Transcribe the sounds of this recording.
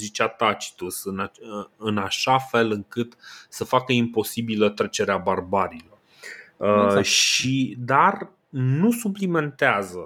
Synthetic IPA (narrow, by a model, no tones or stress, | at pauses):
zit͡ʃat̪at͡ʃi̥t̪usɨnaɨnaʃafe̞lɨŋkɨt̪səfakəimpo̞sibilət̪ɾe̞t͡ʃe̞ɾeabarbaɾilo̞r | əʃid̪ar | nusuplime̞nt̪eazə